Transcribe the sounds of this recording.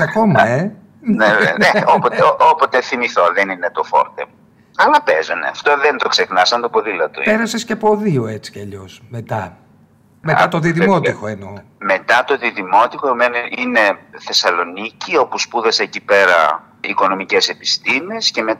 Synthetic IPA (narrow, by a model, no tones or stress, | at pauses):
ɐko̞mɐe | nenḛeopooopot̪eθimiθoðeninet̪o̞fo̞̰ɾt̪e | ɐlɐpezo̰nḛɐft̪oðent̪o̞ksexnɐsɐnt̪opoðilɐt̪ṵpe̞ɾɐsescepo̞ðioe̞t͡si̥cɐʎo̞sme̞t̪ɐ | meɐt̪o̞ðiðimo̞t̪ixo̞eno̞me̞t̪ɐt̪o̞ðiðimo̞t̪ixomenine̞θe̞sɐlo̞nicio̞puspuðɐseːcipe̞ɾɐ̰ | ḭko̞no̞micese̞pi̥st̪imesce̞met̪